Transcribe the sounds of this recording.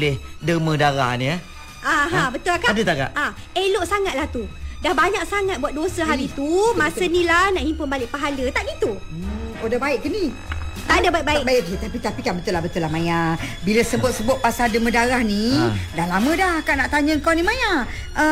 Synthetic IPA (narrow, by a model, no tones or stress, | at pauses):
lɪhdəmə̃daɾa̰hniə | ʔaɦãbət̪ʊlakaadət̪aɡa̰ʔʔa | eloʔsaŋat̪̚laht̪udahbaɲak̚saŋat̪̚buat̪̚dosəɦaɾit̪umasənĩlahnaʔhimpʊnbalɪʔpaɦalət̪aʔɡit̪uəodabaɪʔkəni | t̪aʔdabaiʔ̚baibait̪apit̪apikanbət̪ʊlahbət̪ʊlahmajabiləsəbʊt̪̚səbʊt̪̚pasaldəmə̃daɾahnidanlamə̃dahkanaʔt̪aɲəəŋkawnimaja | ʔə